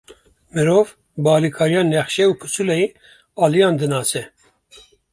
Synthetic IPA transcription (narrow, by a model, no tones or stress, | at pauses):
mɨɾoːv | bɑːlikʰɑːɾijɑːnɛxʃɛuːpʰɨsulɛji | ɑːlijɑ̃ːnd̪ɨnɑːsɛ